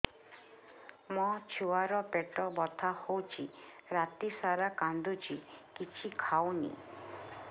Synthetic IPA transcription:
mɔt͡ʃʰuaɾɔpeʈɔbɔt̪ʰahowt͡ʃʰiɾat̪isaɾakand̪ut͡ʃʰikit͡ʃʰikʰawnḭ

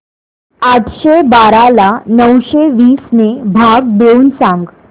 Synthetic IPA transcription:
aʈʰɕebaɾalanəwɕeʋiːsnebʱaɡ̚beuːnsãŋɡ

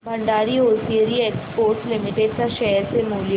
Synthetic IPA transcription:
bʱɐ̃ɳɖaːɾioːsiəɾieːkspoːɾʈlɪmɪʈeɖ̚kaʃɛɦəɾsemuːlj

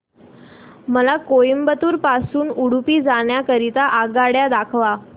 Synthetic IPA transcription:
məlakojmbət̪uːɾpasuːnuɽupiːd͡zaɳjakəɾit̪aʔaɡaɽjad̪akʰʋa

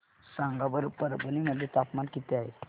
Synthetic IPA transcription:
sãŋɡabəɾpəɾbəniməd̪ʱːjet̪apmankit̪eaɦe

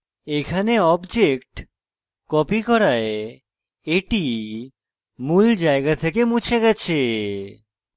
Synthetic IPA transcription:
ekʰaneɔbd͡ʑekʈ | kɔpikɔɾae | eʈi | muld͡ʑaeɡat̪ʰekemũt͡ɕʰeɡɛt͡ɕʰe

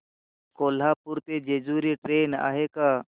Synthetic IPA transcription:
koːl̤aːpʊɾt̪eːd͡ʒeːd͡ʒuːɾiːʈɾeːna̰ːɦeːkaː

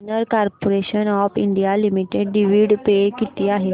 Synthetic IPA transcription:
nəɾkaːɾpoɾeɕənɔːpʰḭɳɖijalimiʈeɖɖiʋiɖpekit̪iaːɦe

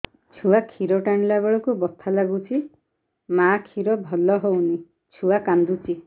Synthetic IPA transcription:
t͡ʃʰuakʰiɾɔʈaɳlabeɭɔkubɔt̪ʰalaɡut͡ʃʰi | makʰiɾɔbʱɔlɔɦowni | t͡ʃʰuakand̪ut͡ʃʰi

